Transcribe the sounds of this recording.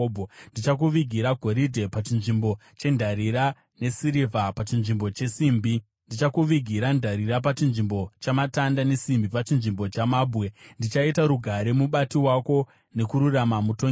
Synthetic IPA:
bʱndit͡ʃak̬uʋiɡʱiɾaɡʱo̞ɾidʱe̞pat͡ʃinʐimbo̞ | t͡ʃe̞ndʱaɾiɾa | ne̞siɾivʱapat͡ʃinʐimbo̞t͡ʃe̞simbi | ndit͡ʃakuʋiɡʱiɾandʱaɾiɾap̬at͡ʃinʐimbo̞t͡ʃamatandane̞simbipat͡ʃinʐimbo̞t͡ʃamaːbʱwendit͡ʃaitaɾuɡʱaɾe̞muɓatiwako̞ | ne̞kuɾuramamutoŋ

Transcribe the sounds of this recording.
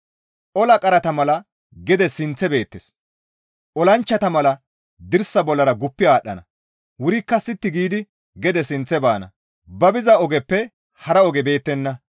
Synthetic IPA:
ʔɔlɐkʼɐɾɐt̪ɐmɐlɐ | ɡɛd̪ɛsɪnt͡sːɛbe̞ːt̪ːɛs | ʔɔlɐnt͡ʃːɐt̪ɐmɐlɐ | d̪ɪɾsɐbɔlːɐɾɐɡʊpːɪaːɗːɐ̰nɐ̰ | wʊɾɪkːɐsɪt̪ːɪɡiːd̪ɪ | ɡɛd̪ɛsɪnt͡sːɛbaːnɐ̰ | bɐbɪzɐɔɡɛpːɛ | hɐɾɐɔɡɛbe̞ːt̪ːɛnːɐ

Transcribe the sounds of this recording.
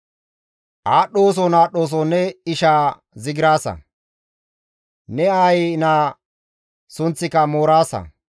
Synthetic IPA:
ʔaːɗːo̞ːs̬ɔnaːɗo̞ːs̬ɔnːɛɪʃaː | zɪɡɪɾaːsɐ̰ | nɛaːjnaː | sʊnt͡sːɪkɐmoːɾaːsɐ̰

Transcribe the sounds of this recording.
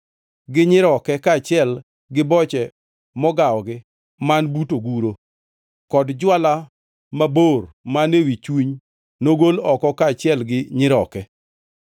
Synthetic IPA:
ɡɪɲɪɾɔkɛkaːt͡ʃɪɛl | ɡɪbɔt͡ʃɛ | mɔɡaɔɡɪ | manbutoɡuɾo | kɔdd͡ʒwala | mabormanewit͡ʃwiɲ | noɡolɔkɔkaːt͡ʃɪɛlɡɪɲɪɾɔkɛ

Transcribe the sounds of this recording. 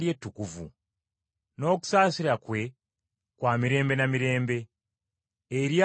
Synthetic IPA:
je̞tːukuvṵ | no̞ːku̥saːsiɾakwe̞ | kwaːmiɾe̞ːmbe̞namiɾe̞ːmbe̞ | ɾja

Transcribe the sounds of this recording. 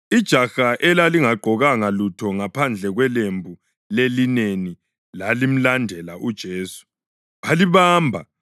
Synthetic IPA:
id̥ʒ̥ʱaxaʔɛlaliŋaɡ͡ǃʱɔɣaŋalutʰɔŋapʰand͡ɮʱɛɣwɛlembʱu | lelineni | lalim̩landʱɛlaʔud̥ʒ̥ʱeːsu̥ | βaliβaːmbʱa

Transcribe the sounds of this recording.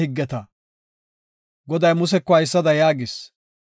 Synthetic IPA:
ɪɡːɛt̪ɐ | ɡɔd̪ɐjmʊs̬ɛkːɔhɐjsːɐd̪ɐjaːɡɪs

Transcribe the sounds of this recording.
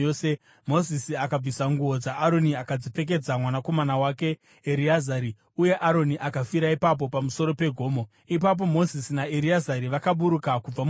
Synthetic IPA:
se | mo̞zisiakab͡visaŋɡuod͡zaʔːɾo̞niakad͡zipe̞k̬e̞d͡zamwanako̞manawake̞ː | ɾiazaɾi | uje̞ʔaɾo̞niʔakafiɾaipap̬o̞pamuso̞ɾo̞pe̞ɡʱo̞ːmo | ipap̬o̞mo̞zisinaeɾiazaɾiʋakaɓuɾukakub͡vam

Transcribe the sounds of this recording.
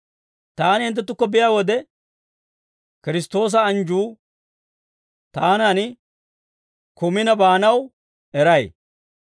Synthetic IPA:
t̪aːnɪhɪnt̪ːɛt̪ːʊkːɔbɪjaːwɔd̪ɛ | kɪɾɪst̪o̞ːs̬ɐːnd͡ʒuː | t̪aːnanɪ | kʊmɪnɐbaːnɐw | ɛɾɐj

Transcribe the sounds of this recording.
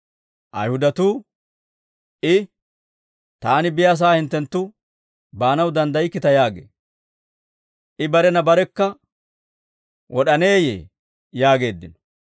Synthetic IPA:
ʔɐ̰jhʊd̪ɐt̪uː | ʔɪ | t̪aːnɪbɪjas̬aːhɪnt̪ːɛnt̪ːʊ | baːnɐwd̪ɐnd̪ɐjɪkːɪt̪ɐjaːɡḛː | ʔɪbɐɾɛnɐbɐɾɛkːɐ | wʔɔɗɐne̞ːjḛː | jaːɡe̞ːd̪ːɪnɔ̥

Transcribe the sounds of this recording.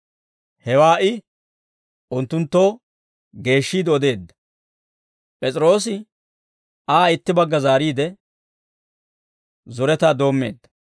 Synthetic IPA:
hɛwaːʔɪ | ʔʊnt̪ːʊnt̪ːo̞ː | ɡe̞ːʃːiːd̪ɛɔd̪e̞ːd̪ːɐ̥ | pʼɛt͡sʼɪɾo̞ːsɪ | aːɪt̪ːɪbɐɡːɐzaːɾiːd̪ɛ | zɔɾɛt̪aːd̪o̞ːmːe̞̰ːd̪ːɐ

